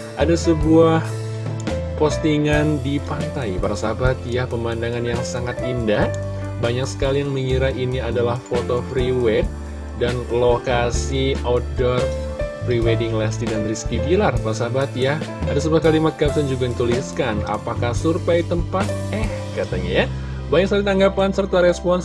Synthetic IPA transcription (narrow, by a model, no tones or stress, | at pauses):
ʔadasəbuaah | post̪iŋandipant̪ajpaɾasabat̪̚jahpəmandaŋanjaŋsaŋat̪inda | baɲaksə̥kalijaŋməŋiɾainiadalahfot̪ofɾiwɛt̪̚ | danlokasiodɔr | friwedɪŋlast̪idanriskipilarpaɾasabat̪jahadas̬əbuahkalimat̪̚kapsand͡ʒuɡant̪uliskana̰pakahsurpajt̪əmpat̪̚ɛh | kat̪aɲa̰ja | baɲaksalit̪aŋɡapansərt̪aɾɛspɔns